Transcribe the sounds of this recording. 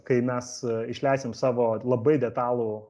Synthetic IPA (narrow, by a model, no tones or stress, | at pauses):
kɐɪmʲɛsɪʃʲlʲæɪsʲemsɑːʋoːlˠɐbɐɪd̪ʲɛt̪ɑːlˠuː